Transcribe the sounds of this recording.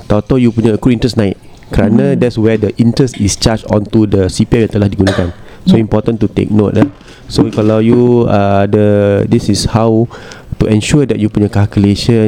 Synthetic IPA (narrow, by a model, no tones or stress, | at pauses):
t̪ɔt̪ɔjupuɲaəkuĩntɾɛsnãɪt̪̚ | kəɾanãdɛtswɛdəʔĩntɾɛstist͡ʃat͡ʃɔ̰̃nt̪udəsipiajãnt̪əlahdiɡunakan | soimpɔt̪ə̃nt̪ut̪ḛk̚not̚la | sokalawjuadədisishawt̪uʔɛ̃nʃudɛt̚jupuɲəkalkuleʃə